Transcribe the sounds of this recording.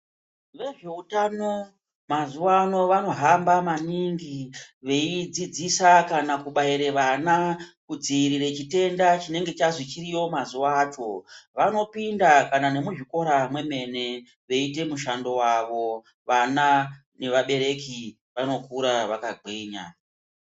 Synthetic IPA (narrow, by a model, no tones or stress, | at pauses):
ʋe̞ʐe̞utano̞ | mazuwano̞ʋano̞ɦambamaniŋɡiʋe̞id͡zid͡zisakanakuɓaiɾe̞ʋanakud͡ziiɾiɾe̞t͡ʃite̞ndat͡ʃine̞ŋɡe̞t͡ʃaʐit͡ʃirijo̞mazuwaːt͡ʃo̞ʋano̞pindakanane̞muʐiko̞ɾamwe̞me̞ne̞ | ʋe̞ite̞muʃando̞waʋo̞ | ʋana | ne̞ʋaɓe̞ɾe̞ki | ʋano̞kuɾaʋakaɡeːɲa̰